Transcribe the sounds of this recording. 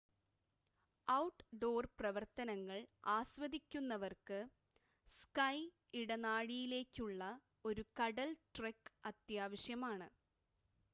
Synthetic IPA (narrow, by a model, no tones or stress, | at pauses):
ɐwʈːɖo̞ːrprɐʋɐrt̪ɐnɐŋːɐɭaːsʋɐd̪ikʲːunːɐʋɐrkɨ | skɐj | iɽɐnaːɻijile̞ːkʲːuɭːɐ | o̞ɾukɐɽɐlʈrekːɐt̪jaːʋɐɕjɐmaːɳɨ